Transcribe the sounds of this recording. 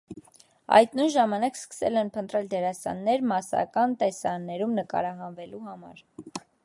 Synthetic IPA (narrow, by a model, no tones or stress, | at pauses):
ɑ̰jt̪nujnʒɑmɑnɑkskə̥sɛ̰lɛnpʰənt̪ɾɛld̪ɛɾɑsɑ̰nːɛɾmɑsɑ̰kɑnt̪ɛsɑnːɛɾumnəkɑ̰ɾɑɦɑnvɛluhɑmɑ̰ɾ